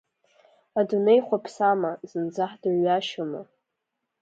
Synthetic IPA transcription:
adune̞jχʷapʰsamazɨnd͡zaħdɨrɥaʃama

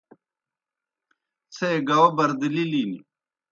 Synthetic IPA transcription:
t͡sʰeeɡɐwɐbɐɾd̪ililini

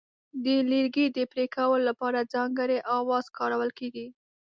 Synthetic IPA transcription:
d̪əliɾɡid̪əpɾekawəlolːapɑɾad͡zɑŋɡəɾeʔɑwɑz̥kɑɾawəlkeɡi

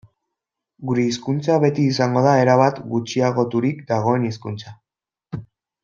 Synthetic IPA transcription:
ɡuɾe̞iskunt͡saβe̞t̪iːsaŋɡo̞ðae̞ɾaβat̪ɡut͡ʃiaɣ̞o̞t̪uɾikd̪aɣ̞o̞e̞niskunt͡sa

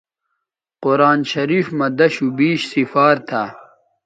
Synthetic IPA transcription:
qoɾaːnɕɐɾiːfmɐd̪ɐɕubiːɕsifaːɾt̪ʰaː

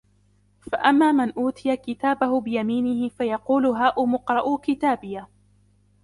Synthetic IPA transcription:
faʔamːaːmɪnʔuːt̪ɪjakɪt̪aːbahʊbɪjamiːnɪhɪfajɑquːlʊɦaːʔʊmʊqɾˤɑʔʊkɪt̪aːbɪja

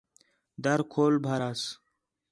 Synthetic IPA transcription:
d̪ɐɾkʰoːlbʱɐɾas

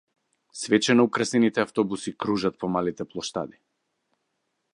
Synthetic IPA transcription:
svɛt͡ʃɛnɔukɾasɛnit̪ɛaft̪ɔbusikɾuʒat̪̚pɔmalit̪ɛplˠɔʃt̪a̰d̪i

